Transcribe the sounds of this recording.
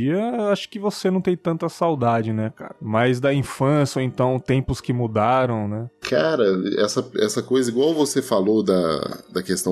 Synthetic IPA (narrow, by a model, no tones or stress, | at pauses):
iɐewaʃʊ̥kɪvosenɐ̃w̃t̪ẽj̃t̪ɐ̃nt̪ɐsawd̪ad͡ʒɪnɛka̰ɾɐmajzd̪ɐĩfɐ̃sjɐoẽnt̪ɐ̃w̃t̪ẽmpʊskɪmud̪aɾɐ̃w̃nɛkʰaɾɐɛ̰sɐɛ̰sɐkojzɐiɡwawvosefalod̪ɐ̰d̪ɐkest̪ɐ̃